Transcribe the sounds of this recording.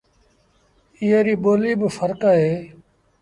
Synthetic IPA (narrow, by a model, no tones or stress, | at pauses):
ɪːeːɾiːɓoːliːbfəɾkaːɦeː